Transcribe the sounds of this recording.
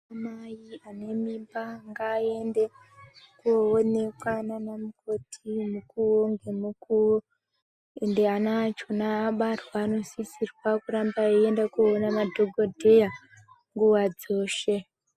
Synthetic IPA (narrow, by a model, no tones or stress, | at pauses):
amajiane̞mimbaŋɡaːende | kuone̞kwananamukʰo̞tʰimukuwoŋɡe̞mukuwo | endeanat͡ʃonaːɓarwaːno̞sisirwakurambaejendakuonamadʱoɡʱodʱeja | ŋɡuwad͡zo̞ːʃe